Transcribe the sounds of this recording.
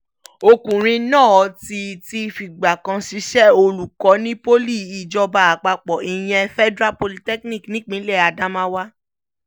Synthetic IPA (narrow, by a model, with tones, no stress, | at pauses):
o˧kũ˨ɾ̃ĩ˧nãː˦˨ɔ˨˧˦ti˧ti˧fi˨ɡ͡ba˨kã˧ʃi˨˧˦ʃɛ˦o˧lu˨kɔ˨˦nĩ˦po˦li˦˨i˨d͡ʒɔ˧ba˧˨a˨k͡pa˧k͡pɔ˨i˨j̃ɛ̃˧fɛ˦dɾa˦po˧li˧tɛ˦knĩ˦˨knĩ˦k͡pĩ˨˦lɛ˦˨a˨da˦mã˦wa˦